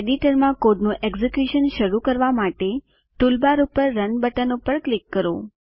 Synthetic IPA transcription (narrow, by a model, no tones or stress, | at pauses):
eɖiʈəɾmãkoɖnũʔeɡzekjuʃənʃəɾukəɾʋamaʈe | ʈulbaɾupəɾːənbəʈənupəɾklikːəɾo̰